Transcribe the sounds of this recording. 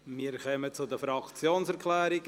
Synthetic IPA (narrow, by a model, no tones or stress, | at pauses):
miːɾkœmət͡sʊd̪əfɾɑkt͡sjoːnsɛɾkʰlɛːɾɪk